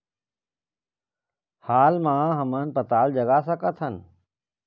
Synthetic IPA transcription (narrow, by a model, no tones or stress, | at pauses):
haːlmãːɦəmənpət̪aːld͡ʒəɡasəkət̪ʰən